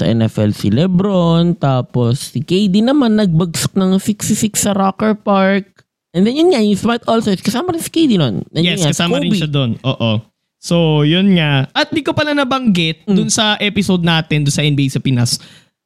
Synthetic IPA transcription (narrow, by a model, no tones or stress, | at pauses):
sɐ̰ʔɛ̰nɛfɛlsḭlɛbɾont̪aːposːɪkejd̪inɐmanːɐɡ̚bɐɡsʊ̥k̚nɐŋsɪkst̪ɪsɪksːɐɾokɛɹpaɹk̚ | ʔɛnd̪ɛnjʊnŋajʊŋsmat̪olsɛskɐsaːmɐɾɪnsɪ̥kejd̪inonʔɐnjɛsakɐsaːmɐɾɪnʃɐd̪onʔoːʔo | sojʊnŋaʔɐt̪̚d̪ikopɐlanɐbɐŋɡɪt̪̚ʊnsɐʔɛpɪsod̪̚naːt̪ɛnd̪ʊnsɐʔɛnbejsɐpɪnas